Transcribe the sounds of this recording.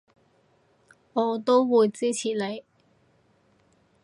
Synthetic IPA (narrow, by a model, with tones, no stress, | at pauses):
ŋɔː˨˧t̪o˥wwuː˨˧jt͡siː˥t͡sʰiː˨˩le˨˧j